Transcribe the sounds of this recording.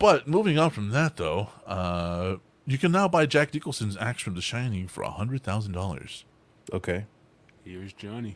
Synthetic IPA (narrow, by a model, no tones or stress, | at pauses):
b̥ʌt̚muvɪ̃ŋʌnfɹʌ̃mðɨt̪̚ðoʊʌ | jɨkʰɨ̃nːaʊbaɪd͡ʒæk̚nɪkl̩ˠsɨ̃nzæ̰ksfɹʌ̃mðɨʃãɪ̃nɪ̃ŋfə̰˞ə̰hʌ̃ndɹɨd̪̚θaʊzn̩dɔlˠə̰˞z̥ | ʔoʊkʰeɪ | hɪɹɨzd͡ʒɑni